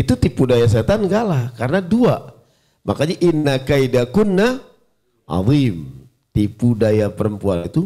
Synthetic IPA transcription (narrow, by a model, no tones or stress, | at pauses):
it̪ut̪ipudajas̬et̪anɡaʔlahkarənadua | mʔakaɲaʔinːakaidakunːa | ʔɑ̰ðim | t̪ipudajapəɾəmpuanit̪u